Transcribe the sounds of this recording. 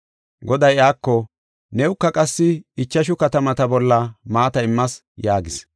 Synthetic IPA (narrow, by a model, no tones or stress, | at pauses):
ɡɔd̪ɐjaːkːɔ | nɛʊkːɐkʼɐsːɪɪt͡ʃːɐʃ̬ʊkɐt̪ɐmɐt̪ɐbɔlːɐmaːt̪ɐɪmːɐs | jaːɡɪs